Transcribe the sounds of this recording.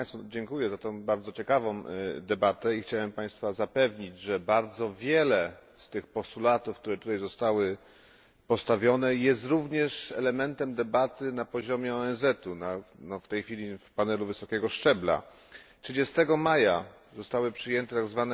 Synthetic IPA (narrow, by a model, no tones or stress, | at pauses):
st̪ɔd͡ʑɛŋkujɛzat̪ɔ̃w̃baɾd̪zɔt͡ɕɛkavɔ̃w̃d̪ɛbat̪ɛixt͡ɕawɛmpaj̃st̪fazapɛvɲid͡ʑʐɛbaɾd̪zɔvʲjɛlɛ | st̪ɘxpɔst̪ulat̪ufk̚t̪uɾɛt̪ut̪ajzɔst̪awɘ | pɔst̪avʲjɔnɛjɛst̪ɾuvɲɛʂɛ̰lɛmɛnt̪ɛmd̪ɛbat̪ɘnapɔʑɔmʲjɛɔɛnzɛt̪unanɔft̪ɛjxfʲilʲifpanɛluvɘsɔkʲɛɡɔʂt͡ʂɛbla̰ | tʂɘd͡ʑɛst̪ɛɡɔmaja | zɔst̪awɘpʂɘjɛnt̪ɛt̪aɡzvanɛ